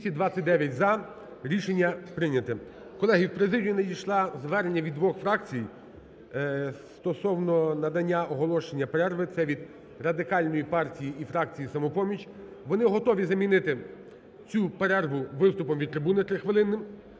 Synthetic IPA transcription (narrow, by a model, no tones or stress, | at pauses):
sʲid̪ʋɑt͡sʲɐt̚ʲd̪ɛʋʲjɐtʲzɐ | ɾʲiʃenʲːɐpɾɪnʲɐt̪ɪkɔlˠɛɦiwpɾezɪdʲijʊnɛdʲijʃlˠɑzʋɛɾenʲːɐʋʲid̪ʋɔxfɾɑk̚t͡sʲij | sst̪ɔsɔwnɔnɐd̪ɐnʲːaɔɦɔlˠɔʃenʲːɐpeɾɛrʋɪt̪sɛʋʲid̪ | rɐd̪ɪkɑlʲnɔjipɑrtʲijiifɾɑk̚t͡sʲijisɐmɔpɔmʲit͡ʃʲ | ʋɔnɪɦɔt̪ɔʋʲizɐmʲinɪt̪ɪ | t͡sʲupeɾɛrʋʊʋɪst̪ʊpɔmʋʲid̪̚t̪ɾɪbunɪt̪ɾɪxʋelˠɪnːɪm